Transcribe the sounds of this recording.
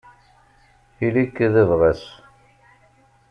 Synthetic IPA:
θilikːðəvʁæs

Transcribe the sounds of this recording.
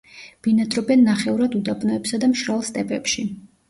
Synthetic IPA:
b̥inad̪ɾɔbɛnːaχɛuɾad̪ud̪apʼnɔɛpsad̪amʃɾalˠst̪ʼɛpʼɛpʃi

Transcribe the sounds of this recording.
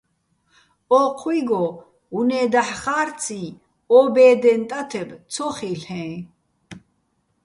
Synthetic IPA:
ɔqʰwiɡɔ | unɛːd̪aħχaːɾt͡sʰĩ | ɔbɛːd̪ɛnt̪ʼat̪ʰɛbt̪t͡sʰɔχiɬɛ̃

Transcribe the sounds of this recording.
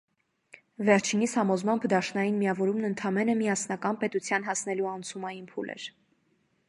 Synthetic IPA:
vɛɾt͡ʃʰinishɑmɔzmɑmpʰd̪ɑʃnɑjinmiɑvɔɾumnənt̪ʰɑmɛnəmiɑsnɑkɑnpɛt̪ut͡sʰjɑnɦɑsnɛluɑnt͡sʰumɑjinpʰulɛ̰ɾ

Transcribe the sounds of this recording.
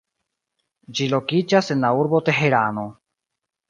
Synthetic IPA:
d͡ʒilo̞kid͡ʒase̞nlauɾbo̞t̪e̞ɦeɾano̞

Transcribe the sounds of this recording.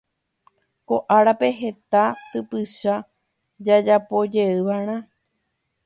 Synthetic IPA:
ko̞ʔaɾape̞ɦe̞t̪at̪ɨpɨʃa | d͡ʒad͡ʒapo̞d͡ʒe̞ɨʋaɾ̃ã

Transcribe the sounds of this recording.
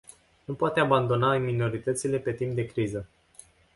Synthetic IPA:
nupoat̪e̞aband̪o̞namino̞ɾit̪ət̪sile̞pe̞t̪imp̚d̪e̞kɾizə

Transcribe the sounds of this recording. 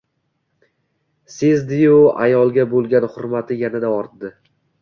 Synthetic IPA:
sezd̪ɪjʊa̰jɒlˠɡʲabolˠɡʲanhʊɾmat̪ʰɪjanad̪aɒɾt̪d̪ɪ

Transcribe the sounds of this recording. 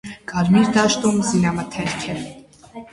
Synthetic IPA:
kʼɑɾmiɾd̪ɑʃt̪umzinɑmət̪ʰɛɾkʰɛ

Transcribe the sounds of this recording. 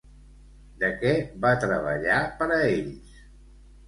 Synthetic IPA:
d̪əkɛβat̪ɾəβ̞ə̰ʎapəɾəeʎs

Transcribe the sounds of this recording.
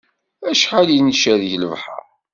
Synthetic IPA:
æʃħalinʃæðʝləvħa̰

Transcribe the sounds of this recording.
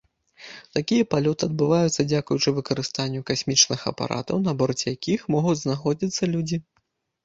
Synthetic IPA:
t̪akʲijɐpalʲɔt̪ɨɐd̪̚bɨvajut̪sːɐd͡zʲakujut͡ʂɨvɨkɐɾɨst̪anʲːukasʲmʲit͡ʂnɨxɐ̰pa̰ɾʔa̰t̪ɐwnɐbɔrt͡sʲjakʲixmɔɣud͡zʲznaxɔd͡zʲit̪sːɐlʲud͡zʲi

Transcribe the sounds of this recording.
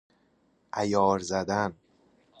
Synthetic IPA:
ʔæjɒːɾzæd̪æn

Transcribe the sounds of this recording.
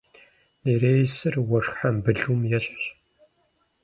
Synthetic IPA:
ereːjsɨrwɔrħambɨɮumjɛɕɕ

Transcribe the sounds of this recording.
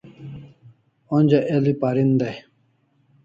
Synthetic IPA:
onʲd͡ʑaʔelipaɾind̪ɐj

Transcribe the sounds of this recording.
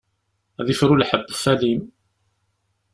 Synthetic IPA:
æðɪfɾʊlħabːfæliːm

